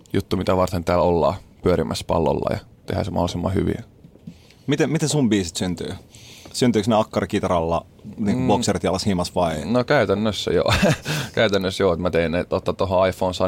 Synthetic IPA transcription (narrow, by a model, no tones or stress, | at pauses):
jut̪ːumit̪æʋɑrt̪ent̪æːlolːɑ̰ːpyøɾimʔæspɑ̰lːo̰lːɑ̰jɑ̰ | t̪ehæ̰ːsemɑ̰holˑisimːɑ̰hy̰ʋḭ | mit̪emit̪esumbiːsit̪synt̪y̰ːsynt̪yːksneɑkːɑrikit̪ɑrɑlːɑ | niːŋkuʋuosjert̪jɑlːɑshimɑsʋɑinokæyt̪ænːøsːæ̰jo̰kæyt̪ænːøsjoːet̪mæt̪einnet̪ot̪ːɑt̪oɦoɑifoːnsɑ